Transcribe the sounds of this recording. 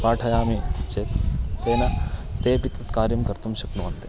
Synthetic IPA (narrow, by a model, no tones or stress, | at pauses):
paːʈʰɐjaːmet͡ʃet̪keːnɐt̪eːpit̪ːɐt̪kaːɾjɐmkɐɾt̪umʃɐknuʋɐnt̪e